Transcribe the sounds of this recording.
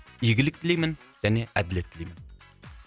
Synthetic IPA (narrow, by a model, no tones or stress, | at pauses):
jɪɡʲilɪk̚ʲt̪ʰilijmɪnjɛnɪæd̪ɪlet̪ʰːɪlijmɪn